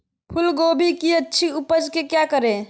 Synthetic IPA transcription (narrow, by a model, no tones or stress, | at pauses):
pʰʊlɡoːbʱikiətːʃʰiʊpəd͡ʒkekjakəɾẽ